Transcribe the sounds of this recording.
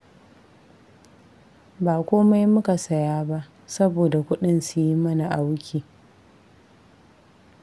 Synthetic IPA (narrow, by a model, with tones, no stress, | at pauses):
baː˨kʷoː˦ma˦jmʊ˦ka˨sɐ˦jaː˦ba˦ʔ | sɐ˦boː˨da˨kʷʊ˦ɗɪ˦nsʊ˨ji˦mɐ˦na˨ʔa˨wʊ˦kʲiː˨